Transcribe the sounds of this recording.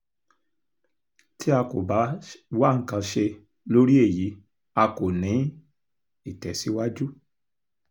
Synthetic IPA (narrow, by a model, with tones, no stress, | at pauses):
tʰi˦a˧ko̰˨ba˨˦wa˦ŋ̩˨˦kã˧ʃe˧ | lo˦ɾi˦e˦˨ji˨˦ | a˧ko˨nĩ˨˦ | i˦˨tɛ˨si˨˦wa˦d͡ʒu˦